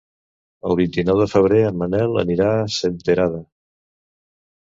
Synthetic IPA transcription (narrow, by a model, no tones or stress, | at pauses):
əlˠβ̞int̪inɔwðəfəβ̞ɾeəmənɛlˠə̰niɾasent̪əɾaðə